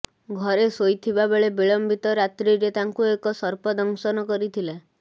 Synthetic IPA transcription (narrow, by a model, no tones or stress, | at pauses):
ɡʱɔɾesojt̪ʰibabeɭebiɭɔmbit̪ɔɾat̪ɾiɾet̪aŋkuekɔsɔɾpɔd̪ɔŋsɔnɔkɔɾit̪ʰila